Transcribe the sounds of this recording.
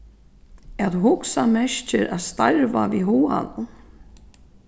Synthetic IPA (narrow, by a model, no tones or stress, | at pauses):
ɛðuhʊksamɛʃt͡ʃɪɾaðst̪ajɾvaviɦuːa̰ðʊ